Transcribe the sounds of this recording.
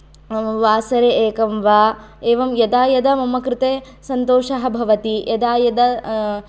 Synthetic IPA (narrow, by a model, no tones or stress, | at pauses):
ʋaːsɐɾeʔeːkɐmʋaː | eːʋɐmjɐd̪aːjɐd̪ɐmɐmɐkɾɪt̪eː | sɐnt̪oːʃɐɦɐbʱɐʋɐt̪ijɐd̪aːjɐd̪ɐ